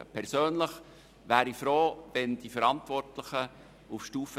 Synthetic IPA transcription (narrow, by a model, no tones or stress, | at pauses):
əpʰɛɾsøːnləχ | ʋæːɾifɾoːvɛnd̥ifəɾɑntʋɔrtləχə | ufʃtuːfə